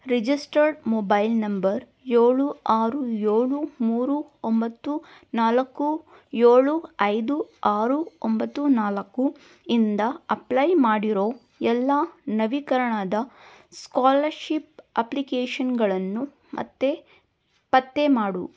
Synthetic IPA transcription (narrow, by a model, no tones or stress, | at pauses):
ɾid͡ʒisʈɐɾɖmoːbɐjlnɐmbɐɾ | jeːɭuaːɾujeːɭumuːɾuombɐt̪ːu | naːlɐkːu | jeːɭuɐjd̪uaːɾuombɐt̪ːunaːlɐkːu | ind̪ɐɐplɐjmaːɽiɾo̞ː | ɛlːanɐʋikɐɾɐɳad̪ɐ | skaːlɐɾʃip̚ɐplikeːʃɐnɡɐɭɐnːu | mʔɐ̰t̪ːe̞ | pɐt̪ːe̞maːɽṵ